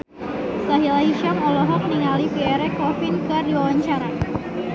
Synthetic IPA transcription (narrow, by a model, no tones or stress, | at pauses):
saɦilaɦiʃamɔlɔɦɔk̚niŋalifiɛɾɛkɔfɪnkɨrdiwawaɲt͡ʃaɾa